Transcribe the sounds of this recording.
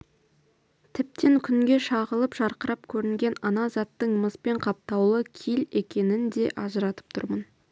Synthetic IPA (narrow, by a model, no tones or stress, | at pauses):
t̪ʰɪp̚t̪eŋkʲʰʏŋɡʲe̞ʃɑʁəlˠəpʒ̥ɑɾqəɾɑp̚kʲʰɵɾɪŋɡʲe̞nɑnɑzɑt̪ːəɴməspe̞ɴqʰɑp̚t̪ɑwlˠəkʲʰijle̞kʲe̞nɪnd̪e̞ʔɑʒəɾɑt̪ə̥p̚t̪ʰʊ̰ɾmən